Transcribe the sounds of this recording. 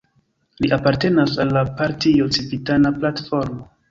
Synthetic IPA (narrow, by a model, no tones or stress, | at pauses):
liʔapaɾte̞nasalːapaɾtiot͡sipitanaplatfo̞ɾmo